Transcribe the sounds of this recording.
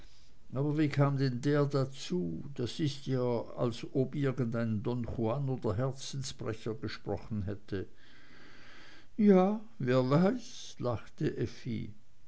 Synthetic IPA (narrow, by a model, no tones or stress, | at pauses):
ʔaːbɐviːkʰaːmdɛndeːɐdat͡suːd̥asɪstjaːa̰lsobɪɐɡən̩daɪnəndɔnχuanoːdɐɦɛɐt͡sn̩spʁɛçɐɡəʃpʁ̥ɔχn̩ɦɛtʰə | jaː | veːɐvaɪs | laχtəʔɛfḭ